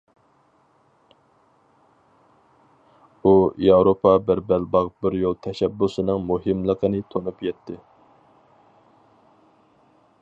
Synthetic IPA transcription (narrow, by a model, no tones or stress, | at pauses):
ujɑwɾopʰɑbæɾbælbɑʁbɪɾjolˠt̪ʰɛʃɛbːusɨnɨŋmuɦɨmlˠəqʰənɨt̪ʰonupjɛt̪ʰːɪ